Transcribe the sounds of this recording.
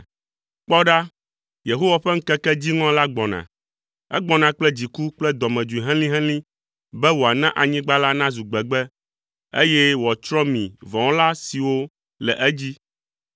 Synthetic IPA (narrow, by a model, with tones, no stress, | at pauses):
k͡pɔ˦ɖa˦ | je˨ɦo˦wa˨ɸɛ˦ŋ̩˦kɛ˦kɛ˦d͡ʑi˦ŋɔ̃˦la˦ɡ͡bɔ̃˨nã̰˨ | ɛ̰˦ɡ͡bɔ̃˦nã˨k͡plɛ˦d͡ʑi˨ku˦k͡plɛ˦d̪ɔ˨mɛ̃˨d͡ʒu˨i˨ɦɛ̃˦lĩ˦ɦɛ̃˦lĩ˦ | bɛ˦wo˨a˨nã˦ʔa˨ɲĩ˦ɡ͡ba˦la˦nã˦zu˨ɡ͡bɛ˨ɡ͡bɛ˦ | ḛ˦jɛ˦wɔ˨t͡ʃɾɔ˦mĩ˨vɔ̃˨ɔ̃˦la˦si˨wo˦ | lɛ̰˨ʔɛ˦d͡ʑi˦